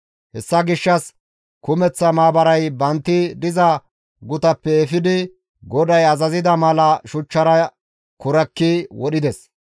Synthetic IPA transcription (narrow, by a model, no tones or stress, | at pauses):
hɛsːɐɡɪʃːɐs | kʊmɛt͡sːɐmaːbɐɾɐjbɐnt̪ːɪd̪ɪzɐ | ɡʊt̪ɐpːɛɛfɪd̪ɪ | ɡɔd̪ɐjɐzɐzɪd̪ɐmɐlɐʃʊt͡ʃːɐɾɐ | kʊɾɐkːiwɔɗɪd̪ɛs